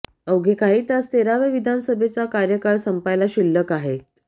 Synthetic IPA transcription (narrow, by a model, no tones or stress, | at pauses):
əwɡʱekaɦiːt̪jast̪eɾaʋeʋid̪ʱanəsəbʱet͡sakaɾjəkaɭsəmpajlaɕilːəkaɦet̪